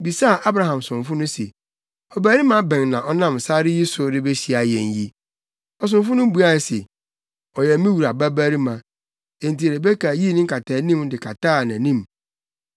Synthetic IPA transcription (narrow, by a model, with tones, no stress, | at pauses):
bi˨sa˦˨ʔa˦bɾa˦ɦã˨msʊ̃˨ɱ˨fʊ˦nʊ̃˦se˨ | ɔ˨bæː˦ɾi˦mã˦bɛ̃˨nnã˨ʔɔ˦nã˦˨m˨sa˦ɾɪ˦ji˦sʊ˦ɾɪ˦be˦ɕi˨a˨jɛ̃˨nji˦ | ɔ˨s̬ʊ̃˨nfʊ˦nʊ̃˦bu˨˦a˦˨se˨ | ɔ˨jɛ˨˦mĩ˦wu˨ɾa˨bæ˦bæ˦ɾi˦mã˨ | ẽ˨n˨ti˨ɾe˨be˦kʰa˨ji˦nɪ̃˦ŋ̩˦kʰa˨tʰaː˨nĩ˦mdɪ˨kʰa˨taː˦˨nã˨nĩ˦m